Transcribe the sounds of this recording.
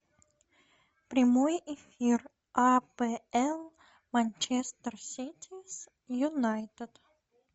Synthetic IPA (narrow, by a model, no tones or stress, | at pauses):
pɾʲɪmojɪfʲir | apɛɛlˠ | manʲt͡ɕest̪ərsʲitʲʰɪs | jʊnajt̪ʲət̪